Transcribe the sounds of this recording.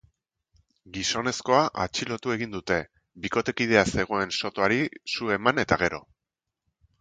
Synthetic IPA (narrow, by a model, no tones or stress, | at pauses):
ɡiso̞ne̞sko̞aʔa̰t͡ʃilo̞t̪ue̞ɣind̪ut̪e̞ | biko̞t̪e̞kið̞e̞ase̞ɣ̞o̞e̞nso̞t̪o̞aɾisue̞mane̞t̪aɣ̞e̞ɾo̞̰